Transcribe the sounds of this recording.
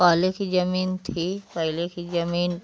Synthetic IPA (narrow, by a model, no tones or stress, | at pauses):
aːlekid͡ʒɐmiːnt̪ʰipɐɦlekid͡ʒɐmiːn